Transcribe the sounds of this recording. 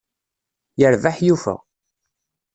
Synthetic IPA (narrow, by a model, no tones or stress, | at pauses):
jəɾvaħjufə̰ʁ